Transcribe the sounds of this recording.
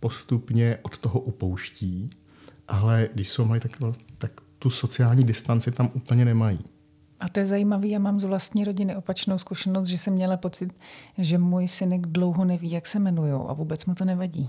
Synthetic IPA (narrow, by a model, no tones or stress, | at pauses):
po̞st̪upɲɛʔot̪t̪oɦoʔupowʃciː | ʔalɛɡdɪʃsowmajit̪akt̪akt̪uso̞t͡sɪaːlɲiːdɪst̪ant͡sɪt̪amʔuːpl̩ɲɛnɛmajiː | ʔat̪ojɛzajiːmaviːjaːmaːmzvlast̪ɲiːɾo̞ɟɪnɪʔo̞pat͡ʃnowskuʃɛnost̪ʒɛsɛmːɲɛlapo̞t͡sɪt̪ʒɛmujsɪnɛɡdlo̞wɦonɛviːjaksɛmɛnujo̰wʔa̰vuːbɛt͡smut̪onɛvaɟiː